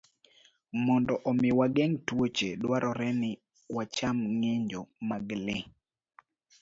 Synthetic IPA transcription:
mɔndɔʔɔmɪwaɡɛŋtwot͡ʃedwaɾɔɾɛnɪ | wat͡ʃamŋeɲd͡ʒomaɡlɪ

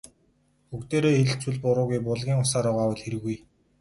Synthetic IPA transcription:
xukt̪eːɾoːxeɮt͡suɮpʊɾʊːɣujpʊɮɣʲiːŋʊsaːɾɔːʁaːwə̆ɮxeɾɘ̆ɣuj

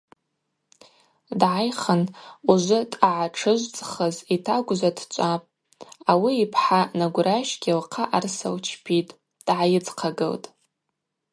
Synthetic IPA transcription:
dʕajχanuʒʷʊtʼaʕaʈ͡ʂʰɨʒʷt͡sʼχəzitʰaɡʷʒʷadʰt͡ʃʷʼapʼ | awiːpʰħanaɡʷraʃɡʲilqʰaʔarsa̰wt͡ʃʰpʰitʼ | d̥ʕajɪd͡zqʰaɡɨ̰ltʼ

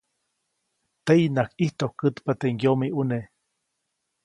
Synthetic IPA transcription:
t̪einakiht̪ohkɨt̪pat̪eŋɡjomiʔune

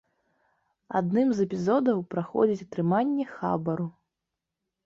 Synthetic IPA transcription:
a̰d̪nɨmzɛpʲizɔd̪ɐwpɾaxɔ̰d͡zʲit͡sʲɐt̪ɾɨmanʲːɛxa̰bɐɾu

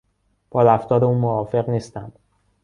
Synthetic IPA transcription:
b̥ɒːɾæft̪ɒːɾeuːnmovɒːfe̞ɣniːst̪ænd̪̥

